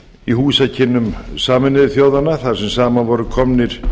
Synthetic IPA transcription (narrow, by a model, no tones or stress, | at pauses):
ihuːsacʰɪnːʏmsaːmɪnɪðɪθjoːwðanːaθaɾ̥sɛmsaːmanvɔɾʏkʰɔmnɪɾ̥